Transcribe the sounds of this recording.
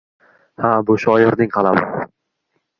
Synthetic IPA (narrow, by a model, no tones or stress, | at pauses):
habʊʃʊajɒɾnɪŋqʰɑlˠamɪ̰